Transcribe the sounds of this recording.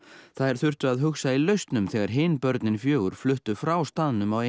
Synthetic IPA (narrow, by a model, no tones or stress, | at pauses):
θaðɛɾ̥θʏr̥t̪ʏaðɦʏxsailœɥst̪nʏmθɛːɣaɾ̥ɦɪːnpœɾt̪nɪnfjøːɣʏɾ̥flʏht̪ʏfɾawst̪aðnʏmawe